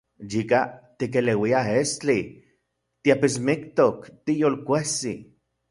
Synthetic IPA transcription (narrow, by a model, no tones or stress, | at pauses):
jikat̪ik̬elewiaɦest͡ɬi | t̪iapismikt̪okt̪ijolkʷehsi